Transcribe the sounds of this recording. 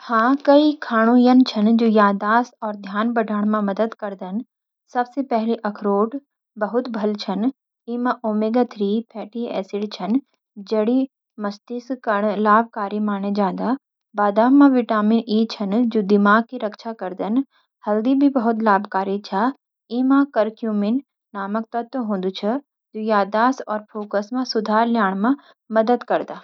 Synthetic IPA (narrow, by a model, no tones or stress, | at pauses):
hãːkɐikʰaːɽ̃ũjənt͡ʃʰɐnd͡ʒoːjaːd̪aːsɔːɾd̪ʱjaːnbɐɖʱəɽ̃mãmɐd̪əd̪kɐɾd̪ən | sɐbsepɛɦliʔɐkʰɾoːʈ | bɐɦʊt̪bʱɐlt͡ʃʰɐn | iːmãʔoːmeːɡət̪ʰɾipʰɛːʈiɛ̰ːsɪɖt͡ʃʰɐn | d͡ʒɐɽi | mɐst̪iskəɽ̃laːb̚ʱkaːɾimaːɽ̃ed͡ʒãːn̆d̪a | baːd̪aːãʋɪʈaːminiːt͡ʃʰɐnd͡ʒoːd̪ɪmaːɡ̚kiɾɐkʃʰakɐɾd̪ən | hɐld̪ibʱibɐɦʊt̪laːbkaːɾit͡ʃʰa | ĩːmãkɐɾkjuːmin | naːmək̚t̪ɐt̪ːɦõːnd̪ut͡ʃʰɐ | d͡ʒoːjaːd̪aːsɔːɾpʰoːkəsmãsʊd̪ʱaːɾljaːɽ̃mã | mɐd̪əd̪kɐɾd̪aː